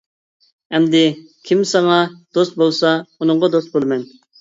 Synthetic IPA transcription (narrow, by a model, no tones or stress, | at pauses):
ɛmd̪ɪ | kʲʰimsɑŋɑd̪̥ost̪̚bolˠsɑunʊŋʁɑd̪ost̪̚bolˠmɛn